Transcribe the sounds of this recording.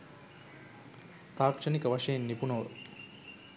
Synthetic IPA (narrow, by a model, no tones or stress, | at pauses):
t̪aːkʂɐnikɐʋɐʂɐjnːipunoː